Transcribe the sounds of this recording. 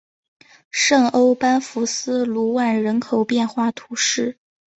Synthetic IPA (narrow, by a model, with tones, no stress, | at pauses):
ʂɤ˥˩ŋo˥ʊpa˥nfu˧˥sɹ̩˥lu˧˥wa˥˩nɻə˧˥nkʰo˨˩ʊpjɛ˥˧nxwa˥˩t̪ʰu˧˥ʂɻ̩˥˩